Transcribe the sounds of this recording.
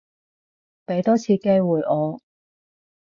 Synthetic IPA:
pe˨˥jt̪ɔː˥t͡sʰiː˧ke˥jwuː˨˩jɔː˨˧

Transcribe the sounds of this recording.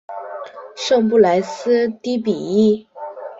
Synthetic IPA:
ʂɤ˥˧ŋpu˥˩la˧˥ɪsɹ̩˥t̪i˥pi˨˩i˥˩

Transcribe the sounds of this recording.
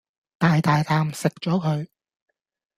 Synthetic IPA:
t̪aː˨jt̪aː˨jt̪aː˨m̩˨sɪ˨k̚t͡ʃɔː˨˥kʰɵ˨˧ɥ

